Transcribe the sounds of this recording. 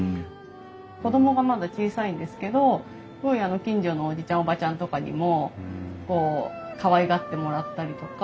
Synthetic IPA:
ko̞d̪o̞mo̞ɡamad̪at͡ɕiːsaĩnd̪e̞sɨ̥ke̞d̪o̞ | sɨɡo̞iano̞kʲĩɲ̟d͡ʑo̞noːd͡ʑit͡ɕãɰ̃obat͡ɕãnt̪o̞kaɲ̟ḭmo̞ko̞ːkaβaiɡat̪ːe̞mo̞ɾat̪ːaɾʲit̪o̞k

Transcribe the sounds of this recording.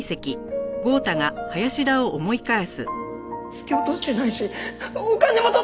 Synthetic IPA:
se̞kʲiɡo̞ːt̪aɡahajaɕid̪ao̞ʔomo̞ikaesɨ̰ | t͡sɨ̥kʲeot̪ot̪enaiɕiokanemot̪o

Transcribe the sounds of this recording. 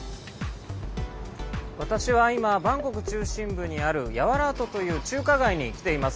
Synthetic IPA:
βat̪aɕiβaimabãŋko̞kɯ̟̥t͡ɕɨːɕĩmbɯ̟ɲ̟iaɾɯ̟jaβaɾaːt̪o̞t̪o̞jɯ̟ːt͡ɕɨːkaɡaiɲ̟ikʲi̥t̪e̞imasɨ̥

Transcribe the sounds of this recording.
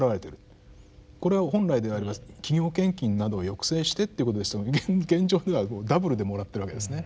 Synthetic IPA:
ɾaβaɾe̞t̪eɾɯ̟ | ko̞ɾe̞βaɦõ̞nɾaid̪e̞aɾebakʲiɡʲo̞ːkẽ̞ŋkʲĩnːad̪o̞ːjo̞kɯ̟̥se̞ːɕi̥t̪e̞t̪ːeiɯko̞t̪o̞d̪est̪ɡẽ̞ɲ̟d͡ʑo̞ːd̪e̞βakoːd̪abɯ̟ɾɯ̟d̪e̞mo̞ɾat̪ːeɾɯβake̞d̪esɨne̞

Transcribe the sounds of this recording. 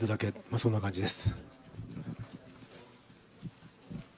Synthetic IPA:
t̪od̪ake̞masõ̞nːakãɲd͡ʑid̪e̞sɨ̥

